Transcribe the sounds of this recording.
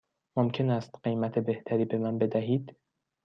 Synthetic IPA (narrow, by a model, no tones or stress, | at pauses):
momcʰe̞næst̪ɢejmæt̪ʰe̞be̞ht̪ʰæɾiːbe̞mænbe̞d̪æɦiːd̪